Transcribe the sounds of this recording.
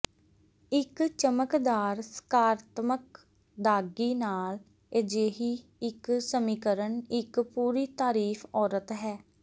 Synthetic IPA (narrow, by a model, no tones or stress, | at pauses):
ɪkt͡ʃəməkd̪aːɾsə̥kaːɾət̪mək | d̪aːɡiːnaːl | ed͡ʒeːɦiːɪksəmiːkəɾənɪkpuːɾiːt̪aːɾiːfʰɔːɾət̪ɦɛː